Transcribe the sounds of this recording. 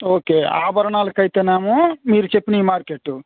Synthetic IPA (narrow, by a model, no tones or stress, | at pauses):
oːkea̰ːbɐɾnaːlkɐjt̪enaːmumiɾt͡ʃepnimaːɾkeʈu